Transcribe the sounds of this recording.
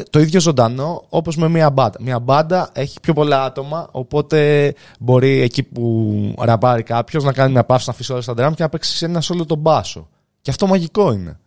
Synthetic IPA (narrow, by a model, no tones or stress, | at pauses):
t̪o̞iðjʝo̞zo̞nd̪ɐno̞opo̞zme̞miɐbɐd̪ɐmiɐbɐnd̪ɐʔe̞çi̥pço̞po̞lɐɐt̪o̞mɐo̞po̞t̪e̞ | bo̞ɾiecipuɾɐpɐɾikɐpço̞znɐkɐnimɲɐpɐfsinɐfisio̞lɐst̪ɐd̪ɾɐmcenɐpksi̥senɐso̞lot̪o̞bɐso̰ | ceɐft̪omɐʝiko̞ine̞̰